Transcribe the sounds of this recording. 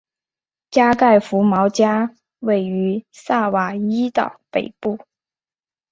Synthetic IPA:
t͡ɕja˥ka˥˩ɪfu˧˥mɑ˧˥ʊt͡ɕja˥ | we˥˩ɪy˧˥sa˥˩wa˨˩i˥t̪ɑ̰˨˩ʊpe˨˩ɪpu˥˩

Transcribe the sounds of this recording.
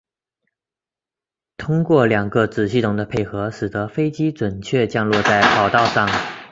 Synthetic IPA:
t̪ʰʊ˥ŋkwɔ˥˩ljɑ˨˩ŋɡə˧t͡sɹ̩˨˩ɕi˥˩t̪ʰʊ˨˩ŋd̪ə˦pʰe˥˩ɪxɤ˧˥ʂɻ̩˨˩t̪ə˧˥fe˥ɪt͡ɕi˥t͡swə˨˩nt͡ɕʰɥɛ˥˧t͡ɕjɑ˥˧ŋlwɔ˥˧t͡sa˥˩ɪpʰɑ˨˩ʊt̪ɑ˥˧ʊʂɑ˥˩ŋ

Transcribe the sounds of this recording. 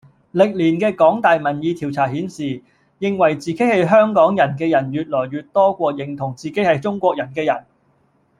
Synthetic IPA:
lɪ˨k̚liː˨˩nkɛː˧kɔː˨˥ŋt̪aː˨jmɐ˨˩njiː˧t̪ʰiː˨˩wt͡sʰaː˨˩ɦiː˨˥nsiː˨ | jɪ˨ŋwɐ˨˩jt͡siː˨ke˨˥hɐ˨jɦœː˥ŋkɔː˨˥ŋjɐ˨˩nkɛː˧jɐ˨˩njyː˨t̚lɔː˨˩jɥyː˨t̚t̪ɔː˥kʷɔː˧k̚jɪ˨˩ŋt̪ʰʊ˨˩ŋt͡siː˨ke˨˥jhɐ˨jt͡sʊ˥ŋkʷɔː˧k̚jɐ˨˩nkɛː˧jɐ˨˩n

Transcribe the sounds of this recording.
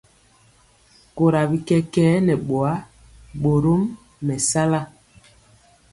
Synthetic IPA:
ko˨ɾa˨bi˨kɛ˦kɛː˦nɛ˨ɓo˨a˦ | ɓo˨ɾo˦mː | ɛ˨sa˦la˦

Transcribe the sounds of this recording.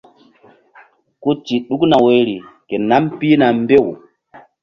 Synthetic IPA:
ku˦t͡ʃi˨ɗu˦kna˨we˨˦ɾi˨ke˨na˦mpi˦na˨m˦be˦˨w

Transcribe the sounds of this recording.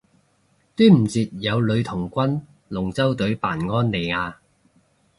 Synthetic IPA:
t̪yː˥m̩˨˩t͡siː˨t̚jɐ˨˧wlɵ˨˧ɥt̪ʰʊ˨˩ŋkʷɐ˥n | lʊ˨˩ŋt͡sɐ˥wt̪ɵ˨˥ɥpa̰ː˨˩nŋɔː˥nle˨jŋaː˧

